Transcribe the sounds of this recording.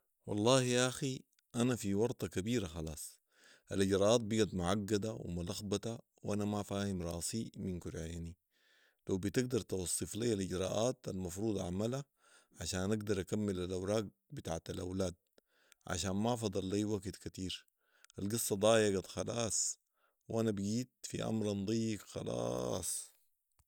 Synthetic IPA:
wɑ̰lˤːɑːhijaʔaxi | ʔanafiwɑɾˤt̪ˤɑkabiːɾaxɑlɑ̰ːsˤ | ʔaliɟɾˤɑːʔaːt̪̚biɡad̪mʊʕaɡːad̪awḭmulaxbat̪a | wʔanamafaːhimɾˤɑ̰ːsiminkuɾʕeːni | lawbit̪ɪɡ̚d̪ɑɾˤt̪ɑwɑsˤːɨfliːaliɟɾˤɑ̰ːʔaːt̪almɑfɾuːd̪ˤʕa̰mala | ʕaʃaːnʔaɡd̪ɑɾˤʔakamːilalʔawɾˤɑːɡ̚ | bit̪aːʕt̪alʔa̰wlaːd̪̚ | ʕa̰ʃaːnmafɑd̪ˤɑlːajwaɡt̪kat̪iːɾ | ʔalɡɨsˤːɑd̪ˤɑːjaɡad̪xɑlɑːsˤ | wʔanabɡiːt̪̚fḭʔa̰mɾɑnd̪ˤɑjːikxɑ̰lɑ̰sˤ

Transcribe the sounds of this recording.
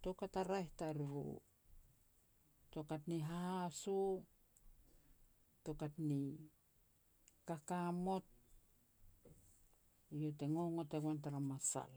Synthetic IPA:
tokataɾajhtaɾiɾṵ | tokatniɦahasu | tokatni | kakamo̞t̚ | ijoteŋo̞ŋoteɡwantaɾamasa̰l

